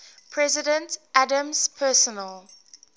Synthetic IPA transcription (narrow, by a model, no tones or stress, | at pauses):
pʰɹɛzɪdə̃ntʔadə̃mz̥pʰɛsɔnəl